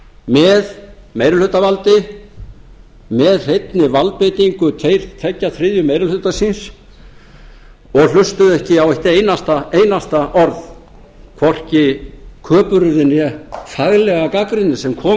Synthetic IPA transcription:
mɛð | meːjɾʏlʏt̪avalt̪ɪ | mɛðr̥ejt̪nɪvalt̪̚pejt̪iŋkʏt̪ʰejɾt̪ʰɛcːaθɾɪːðjʏmejɾʏlʏt̪asins | ɔɣlʏst̪ʏðɛhcɪawɛht̪eːjnast̪aejnast̪aʔɔɾð | kʰvɔr̥cɪkʰœːpʏɾʏðɪnjɛθaɣlɛɣakakɾɪnːɪsɛmkʰɔː

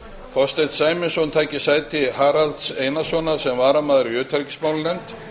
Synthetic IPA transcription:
fɔst̪ejt̪saːjmɪnsɔnt̪ʰaːjcɪsaːjt̪ɪhaːɾalt̪seːjnasɔːnasɛmvaːɾamaːðɪɾʏːt̪ʰaɾcɪ̥smaːwlɪnɛjmt̪

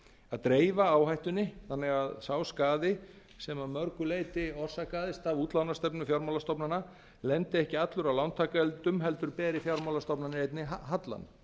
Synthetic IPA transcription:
aðt̪ɾeːjvaaːwɦajht̪ʏnːɪθanːɛɣaðsaːwskaːðɪ | sɛmamœɾkʏleːjt̪ɪɔr̥sakaːðɪst̪avuːt̪lawnast̪ɛpnʏfjawɾmawlast̪ɔpnanːa | lɛnt̪ɪɛhcɪat̪lʏɾawlawnt̪ʰaːkɛlt̪ʏmɦɛlt̪ʏɾpɛːɾɪfjawɾmawlast̪ɔpnanɪejt̪nɪaɦat̪la̰n

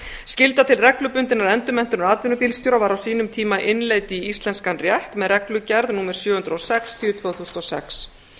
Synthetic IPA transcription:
scɪlt̪at̪ʰɪlrɛklʏpʏnt̪ɪnaɾɛnt̪ʏmɛn̥t̪ʏnɾaːt̪vɪnʏpiːlst̪jowɾavaɾawsiːnʏmt̪ʰiːmaʔɪnleːjt̪ɪiist̪lɛnskanrjɛht̪mɛðrɛklʏcɛɾðnuːmɛɾ̥sjœːhʏnt̪ɾowsɛkst̪ʰʏʏt̪ʰvœːɣθusnɔsɛ̰ks

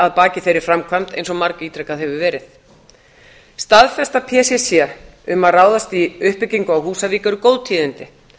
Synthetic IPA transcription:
aðpaːcɪθejɾɪɾ̥fɾamkʰvamt̪ejnsɔmaɾkiːt̪ʰɾɛkaðɦɛvʏvɛːɾɪθ | st̪aðfɛst̪apʰɛːsɛsjɛ | ʏmaðraːwðast̪iʏhpɪciŋkʏawhuːsaviːkœɾʏkowðt̪ʰiːðɪnt̪ɪ

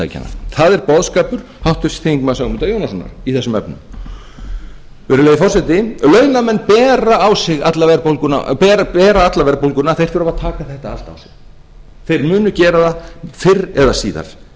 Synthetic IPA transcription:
a̰jca̰na̰θaðɛɾpɔðskaːpʏɾ̥ | hawht̪ʏ̥sθiŋkmasaɣmʏnt̪ajownasɔnːa̰ɾiθɛsːʏmɛpnʏm | vɛːɾʏlejɪfɔrsɛt̪ɪlœːɥnamɛnːpɛːɾaːwsɪɣat̪lavɛɾpolkʏna̰pɛːɾɛːɾaat̪lavɛɾpowlkʏnaθejr̥t̪ʏɾavaðt̪ʰaːkaθɛht̪aal̥t̪a̰wsɪɣ | θejɾmʏːnʏcɛːɾaðafɪrɛðasiːða̰ɾ̥

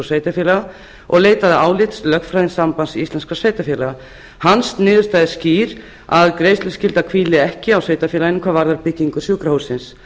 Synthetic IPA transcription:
sveːjt̪afjɛlaɣa | ɔɣleːjt̪aðɪaːwlɪt̪slœxfɾajðɪnsampansiist̪lɛnskɾaseːjt̪afɛːlaɣa | hanst̪nɪːðʏɾst̪ajðɪsciːɾ | aðkɾeːjslʏscɪlt̪aðkʰviːlɪɛhcɪawsveːjt̪afjɛːlankʰvaːvaɾðaɾpɪcːiŋkʏ̥sjuːkɾahowsɪns

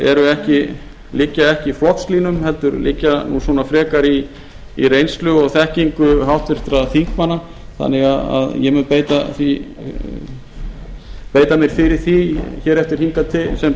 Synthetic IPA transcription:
ɛ̰ɾʏɛhcɪ | lɪcːaɛhcɪiflɔht̪sliːnʏmhɛlt̪ʏɾlɪ̰cːanuswɔːnafɾɛːkaɾi | irejnst̪lʏɔɣθɛhciŋkʏɦawht̪vɪɾ̥t̪ɾaθiŋkmanːa | θa̰nːɪɣaða̰ðjɛmʏnpeːjt̪aθi | peːjt̪amjɛɾ̥fɪɾɪɾ̥θiçɛːɾɛft̪ɪɾ̥hiŋkat̪ʰɪsɛm

